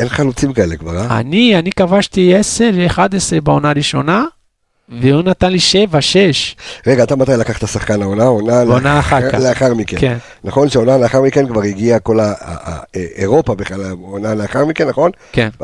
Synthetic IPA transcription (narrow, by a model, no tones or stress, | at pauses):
enχalut͡simkaelekvaʁaa̰nianikavaʃt̪ieseɾeeχad̪esɾebeonaʁiʃo̞na | veunat̪anliʃevaʃeʃʁeɡaːt̪amat̪ajlakaχt̪asaχkanaonaonaonaːχaɾkaleaχaʁmikeken | naχo̞nʃeonaleaχaʁmikenkvaʁiɡiako̞la̰ | eʁo̞pabeχalamonaleaχaʁmikenːaχo̞n | ken